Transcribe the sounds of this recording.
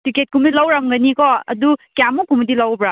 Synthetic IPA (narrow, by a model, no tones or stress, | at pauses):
tiket̚kumdilawɾamɡɐnikɔɐ̰dukjamukumɐdilawbɾa